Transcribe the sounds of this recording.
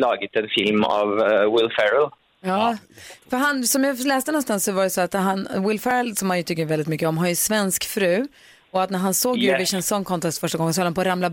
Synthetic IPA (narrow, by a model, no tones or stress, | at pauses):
lɑːɡɪt̪ɛnfɪlma̰vwɪlfɛɾəl | jɑːfœɾɦansɔmjɑlɛːst̪ənɔnst̪ansɔvaɾɛsɔat̪ɦanwɪlfɛɾəlsɔmhanjɵt̪ʰʏkːəvɛlɪt̪mʏkːəɔmɦanjɛsvɛnskfɾʉ̟ː | ɔat̪næɾɦansoːɡjʉvɪʃɛnsɔnːkʰɔnt̪ʰɛst̪fœʂʈaɡɔŋənsɔhad̪hnpʰɔɾamla